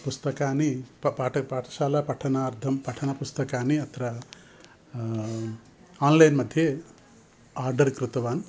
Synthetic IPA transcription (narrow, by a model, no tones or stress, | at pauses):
pust̪ɐkaːnippaʈɐpaːʈɐ̥saːlapɐʈʰɐnaːɾd̪ʰʱɐmpɐʈʰɐnɐpust̪ɐkaːniɐt̪ʰɐɾa | anlajnmɐd̪ʱːje | aɾɖɐɾkɾut̪ɐʋaːn